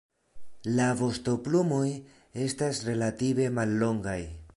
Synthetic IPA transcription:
lavo̞sto̞plumoj | e̞stasɾe̞lative̞malːo̞ŋɡaj

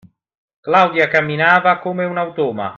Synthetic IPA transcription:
klawd̪jakamːinaːvakoːmeunawt̪ɔːma̰

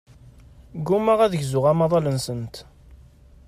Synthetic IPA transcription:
ɡumæʁæðəʝzʊʁæmɑðˤɑlənsənt̪

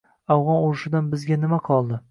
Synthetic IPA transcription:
avʁɒnoɾɪʃɪd̪anbɪzɡʲanɪmaqʰɒlˠd̪ɪ

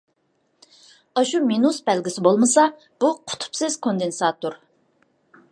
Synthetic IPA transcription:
ɑʃuminusbɛlɡʲɪsɪbolˠmɨsɑ | b̥uqʰʊ̥t̪ʰu̥psɪz̥kʰond̪ensɑːt̪oɾ

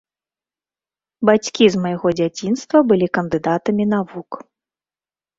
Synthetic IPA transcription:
bat͡sʲkʲizmɐjaɣɔd͡zʲat͡sʲinst̪vɐbɨlʲikɐnd̪ɨd̪at̪ɐmʲinavuk

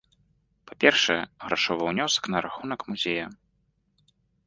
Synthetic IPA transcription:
papʲɛrʂɛɛɣɾaʂɔvɐwnʲɔsɐ̥knɐɾaxunɐkmuzʲejɐ

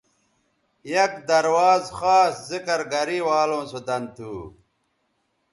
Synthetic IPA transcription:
jɐkd̪ɐɾwaːzxaːszikɐɾɡɐɾiwaːlõːsod̪ɐnt̪ʰuː

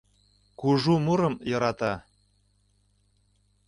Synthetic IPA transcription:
kuʒumuɾɤ̆mjɤ̆ɾɑt̪ɑ

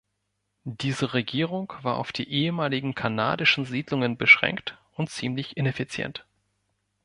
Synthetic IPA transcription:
d̥iːzəʁeɡiːʁʊŋkv̥aːɐʔaʊfd̥ḭːʔeːəmaːlɪɡŋ̩kʰana̰ːdɪʃn̩ziːdlʊŋənbəʃʁ̥ɛ̰ŋkt | ʊntt͡siːmlɪçɪnefit͡sjɛ̰nt

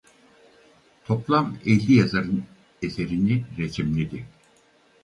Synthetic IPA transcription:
t̪ʰo̞plˠamelʲːijazaɾɯn | ese̞ɾiniɾet͡ʃʰimlʲid̪i

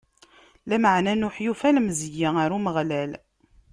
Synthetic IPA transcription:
læməʕnænʊħjufælmzəjːiaɾuməʁlæl

